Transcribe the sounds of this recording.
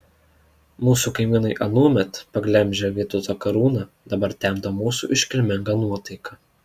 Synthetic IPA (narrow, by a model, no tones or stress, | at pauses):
muːsuːˑkɐɪmʲiːnɐɪʔɐnuɔmʲɛt̪pɐɡlʲɛmʲʒʲɛʋʲiɛt̪ʊt̪ɐkɐɾuːnɑ | d̪ɐbɐɾt̪ʲɛˑmd̪omuːsṵʔɪʃʲkʲɪlʲmʲɪŋɡɑnuɔt̪ɐɪkɐ